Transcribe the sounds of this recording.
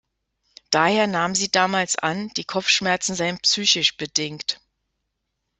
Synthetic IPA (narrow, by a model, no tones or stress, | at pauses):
d̥aːheːɐnaːməmziːdaːmaːlsʔa̰nd̥iːkʰɔp͡fʃmɛɐt͡sn̩zaɪənpsyːçɪʃb̥ədɪŋkt